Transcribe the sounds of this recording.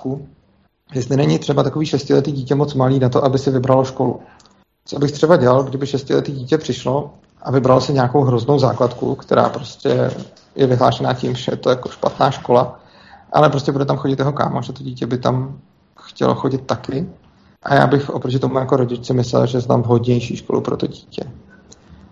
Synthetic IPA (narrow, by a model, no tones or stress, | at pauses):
ku | jɛst̪lɪnɛɲɪt̪r̥ɛbat̪akoviːʃɛscɪlɛt̪iːɟiːcɛmo̞t͡smaliːnat̪o̞ʔabɪsɪvɪbɾaloʃko̞lṵ | t͡sobɪxt̪r̥ɛbaɟɛlalɡdɪbɪʃɛscɪlɛt̪iːɟiːcɛpr̥ɪʃlo̞ | ʔavɪbɾalosɪɲaːkowɦɾozno̞wza̰ːklat̪kṵkt̪ɛɾa̰ːpɾoscɛ̰ | jɛvɪɦla̰ːʃɛnaːcɪmʒɛjɛt̪ojakoʃpa̰t̪naːʃko̞la | ʔa̰lɛpɾoscɛbudɛt̪amxo̞ɟɪt̪jɛɦo̞ka̰ːmoʒɛt̪o̞ɟiːcɛbɪt̪am | xcɛ̰lo̰xo̞ɟɪt̪ːakɪ | ʔa̰ja̰ːbɪxʔopɾocɪt̪o̞mujako̞ɾo̞ɟɪt͡ʃt͡sɪmɪslɛ̰lʒɛsɛt̪a̰mvɦo̞dɲɛjʃiːʃkolṵpɾo̞̰t̪o̰ɟiːcɛ